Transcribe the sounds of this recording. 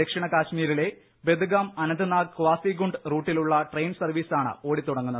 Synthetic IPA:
ekʂɐɳɐkaːɕmiːɾile̞ | be̞d̪uɡaːmɐnɐnd̪ɨnaːɡkːʋaːsiɡuɳɖruːʈːiluɭːɐʈrejnsɐrʋiːsaːɳɨ̰o̞ːɽit̪uɽɐŋːunːɐð

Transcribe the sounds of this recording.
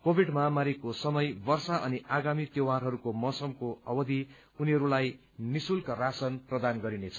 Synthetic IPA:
kobʱiɖmʌɦamaɾikosʌmʌjbʌrsaʔʌniʔaɡamit̪ewarɦʌɾukomʌsʌmkoʌ̰bʌd̪i | uniɦʌɾulaj | nisulkarasʌnprʌd̪anɡʌɾinet͡sʰʌ

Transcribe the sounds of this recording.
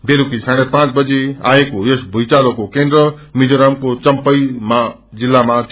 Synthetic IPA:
beːlukikʰãːɽ̃epãːt͡ʃbəd͡ʑea̰ːekoesbʱuit͡ʃaːlokokẽːnd̪ɾə | mid͡ʒoɾamkot͡ʃəmpəimã | zɪlːamã

